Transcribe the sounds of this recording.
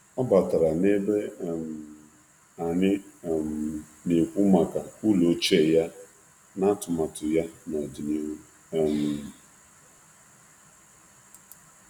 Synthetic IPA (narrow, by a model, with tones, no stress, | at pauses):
ɔ˦ba˨ta˨ɾa˨ne˦be˦˨m˨ | a˨nɪ˦˨m˨ | ne˨kʷu˦ma˨ka˨u˦lo˨˦t͡ʃe˦˨ja˦ | na˦tʊ˨ma˨tʊ˨ja˦na˨di˨ni˦u˦ | m̩˨